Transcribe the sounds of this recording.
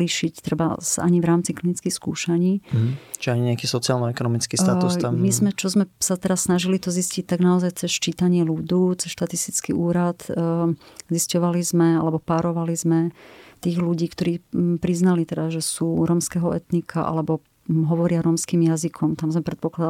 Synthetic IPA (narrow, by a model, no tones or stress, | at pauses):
liʃict̪ɾɛba̰a̰ɲivɾaːmt͡siklinit͡skixskṵːʃaɲiːt͡ʃiaɲiɲɛakiːsɔt͡sialnɔɛkɔnɔmit͡skiːt̪ausamizmɛt͡ʃɔzmɛsat̪ɛɾassnaʒilit̪ɔziscic̚t̪aɡnaɔzajt͡sɛst͡ʃiːt̪aɲɪɛlud̪ut͡sɛsʃt̪at̪ist̪it͡skiʔuːɾat̪ | ziscɔʋalizmɛalɛbɔpaɾɔʋalizmɛt̪iːɣluɟiːkt̪ɔɾiːpɾiznalit̪ɛd̪aʒɛsuːɾɔmskɛɦɔʔɛt̪nikʰaʔa̰lɛbɔ | ɦɔʋɔɾɪaɾɔːmskiːmjazikʰɔmt̪amzmɛpɾɛt̪̚pɔklad̪a